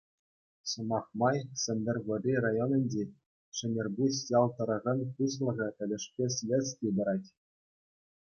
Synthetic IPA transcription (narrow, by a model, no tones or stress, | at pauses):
sɤ̆mɑχmɑjsʲɘ̆nʲdʲɘ̆rʲʋɤ̆rʲirajonʲɤ̆nʲdʲe | ʂɘ̆nʲerbusjɑlˠt̪ɤ̆ɾɤ̆ʁɑnpuslˠɤ̆ʁʲɤ̆ʔɘ̆lʲɘ̆ʂpʲesʲlʲet͡skʲib̪ɤ̆ɾɑtʲ